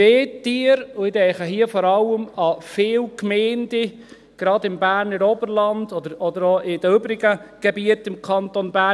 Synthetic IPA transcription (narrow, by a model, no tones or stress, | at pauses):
eːt̪ːiːəɾʊɪdɛɪχəɦiəfɔːɾɑlːəmɑfɪːlkmɛːndɪ | ɡ̥ɾɑd̪ɪmbæːɾnəɾɔbəɾlɑndɔd̪əɾɔd̪əɾɔɪd̥əʏbɾɪɡəɡ̥ɛbiətɪmkʰɑnt̪onbæ